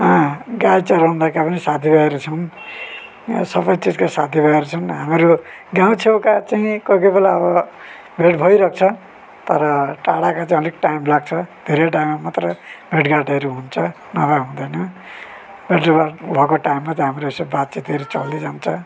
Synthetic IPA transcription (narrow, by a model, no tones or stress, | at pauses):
ʌ̃ɡajt͡sʌɾũnd̪akapʌnisat̪ʰibʱaeɾut͡sʰʌn | sʌbʌjt͡sitkasat̪ʰibʱʌeɾut͡sʰʌnɦamɾu | ɡãw̃t͡sʰewkat͡saĩkokojbelaʌbʌ | bʱeʈbʱʌjɾʌk̚t͡sʰʌ | t̪ʌɾʌʈaɽakat͡sãʌlek̚ʈaimlaɡ̚t͡sʰʌd̪ʱeɾeʈajmamat̪rʌbʱeʈɡaʈeɾuɦunt͡sʰʌ | nʌbaɦũd̪ʌjnʌ | bʱeʈrebabʱʌkoʈajmːat͡saĩɦamɾoisabbad̪̚t͡sit̪eɾut͡sʌlːid͡zant͡sʰʌ